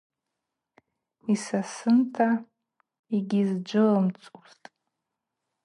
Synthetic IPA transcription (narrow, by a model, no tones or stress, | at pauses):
isasɨntʰa | iɡʲizd͡ʒʷɨlɨmt͡sʼuz̥tʼ